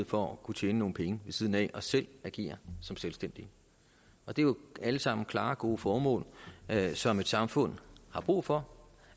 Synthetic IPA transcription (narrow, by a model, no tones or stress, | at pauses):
ð̩̰ˠfɒ̽kʰut͡ɕʰeːnəno̝ːn̩pʰeŋəʋe̝sið̞ˠn̩ɛ̰ʔɒ̽sel̰æɡ̥e̝̰ːɐsɒ̽mselsd̥en̰d̥i | ɒ̽d̥e̝ʋeæləsɑ̈m̰n̩kʰlɑ̈ːɡ̥o̝ːəfɒːmɔ̰̽ːl | sɒ̽me̝d̥sɑ̈mfɔ̽n̰hɑ̈b̥ʁṵːfɒ̽